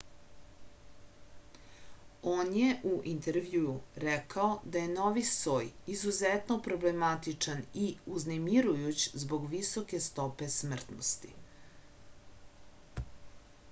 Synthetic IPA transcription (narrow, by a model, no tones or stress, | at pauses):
oːnjeʔuʔint̪eɾʋjuuɾɛkaod̪aje̞noʋisoːjizuzet̪nopɾo̞blemat̪it͡ʂaniuznemiɾujut͡ɕzbo̞ɡʋisoke̞st̪o̞pe̞smr̩t̪no̰st̪ḭ